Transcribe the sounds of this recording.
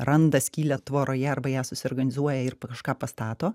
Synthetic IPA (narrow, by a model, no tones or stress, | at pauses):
ɾɐnd̪ɐsʲkʲiːlʲɛt̪ʋoːɾoːjɛɐɾbɐjæːsʊsʲɪoːrɡɐnʲɪzuɔjɛɪɾpkɐʃkɑːpɐst̪ɑːt̪oː